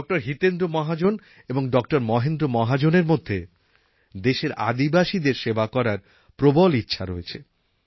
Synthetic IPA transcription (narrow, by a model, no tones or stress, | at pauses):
k̚ʈaɾɦit̪end̪ɾomɔɦad͡ʑon | eboŋɖɔk̚ʈaɾmɔɦend̪ɾomɔɦad͡ʑoneɾmod̪ʱːe | d̪eʃeɾa̰d̪ibaʃid̪eɾʃebakɔɾaɾ | pɾobolitːɕʰaɾoet͡ɕʰe